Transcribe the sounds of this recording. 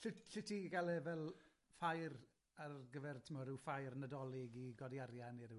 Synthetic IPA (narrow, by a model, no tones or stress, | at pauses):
ɬɪɬɪtʰiɡalˠɛvɛlˠ | fajr | arɡəvɛrtʰɪmɔɾɪwfajrnədɔlˠɪɡiɡɔdjaɾjaniɾɪw